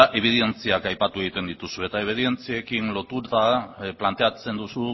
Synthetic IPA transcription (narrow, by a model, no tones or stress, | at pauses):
aʔe̞β̞iðe̞nt͡siakajpat̪ueɣit̪e̞nd̪it̪usue̞t̪aeβeðie̞nt͡siekinlo̞t̪ut̪aplant̪e̞at͡se̞nd̪usu